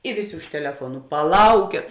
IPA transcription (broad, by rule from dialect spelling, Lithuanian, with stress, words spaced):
ɪ ˈʋʲeːˌsʲeː ʊʃ tʲɛlʲɛˈfuɔnʊ pɐˈlˠɐʊkʲeːt